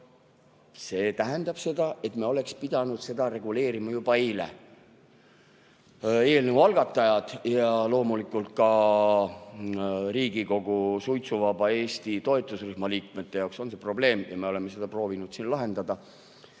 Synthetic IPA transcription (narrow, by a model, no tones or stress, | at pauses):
se̞ːt̪æɦend̪ɑb̥se̞d̪̥ɑʔe̞t̪meo̞le̞kspid̪̥ɑnud̪̥se̞d̪̥ɑɾe̞ɡ̥ule̞ːɾimɑjub̥ɑejlḛ | e̞ːlnevɑlɡ̥ɑt̪ːˑɑjɑd̪̥jɑlo̞ːmulikˑult̪̚kɑ | ɾiːɡ̥iko̞ɡ̥usujt̪suvɑbɑe̞ːst̪it̪o̞et̪ːˑusryhmɑliːk̚me̞t̪ːe̞jɑwkso̞nse̞pro̞ble̞ːmjɑme̞o̞le̞mːes̬e̞d̪̥ɑpro̞ːvinud̪̥sinlɑɦe̞nd̪̥ɑd̪ɑ